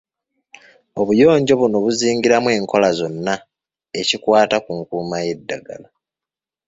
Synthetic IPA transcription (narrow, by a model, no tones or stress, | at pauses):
o̞βujo̞ːɲɟo̞βuno̞βuziːŋɟiɾamwe̞ːŋko̞lazo̞nːa | e̞cikwaːtakuŋkuːmaje̞dːaɡa̰la